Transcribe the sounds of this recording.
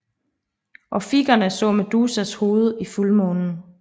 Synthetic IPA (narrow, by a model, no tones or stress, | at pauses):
ʔɒ̽fiɡ̥ɐnəsɔ̰̽ːmed̥uːsæsho̝ːð̞ˠəifulmɔ̽ːnn̩